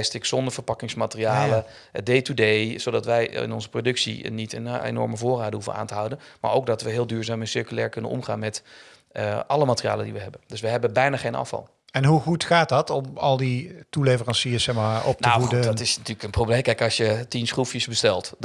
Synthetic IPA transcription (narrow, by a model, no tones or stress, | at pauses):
stɪksɔndəɹv̥əɹpɑkɪŋsmatəriaːlə | dejtudejz̥odɑtʋɛjɪ̰nɔnzəprodɵksḭnitə̰nḛnɔ̰ɹməvoːraːdəɦufəna̰ːntəɦʌwdənma̰ːɹo̰wk̚dɑtʋəɦɪːlˠdyːɹzaːmɛnsɪɹkylɛːɹkɵnə̰nɔ̰mχa̰ːnmɛt | əʔɑləmaːtərija̰ːlədḭʋəɦɛbəndɵsʋəɦɛbənbɛjnaːχejnɑ̰fɑ̰lˠ | ɛnɦuɣutχaːtdɑtɔmɑlˠditulevərɑnsiəsɛxmaːɔp̚nawudədtɪsnatyːləkənprowblejmkɛjkɑsjətinsχrufjəsbəstɛlˠt